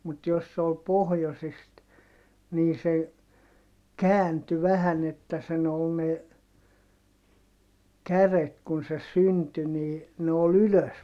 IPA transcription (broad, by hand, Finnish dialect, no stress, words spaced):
mut jos se ol pohjosist niː se kæːnty ʋæhæn etːæ sen ol ne kæret kun se synty niː ne ol yløs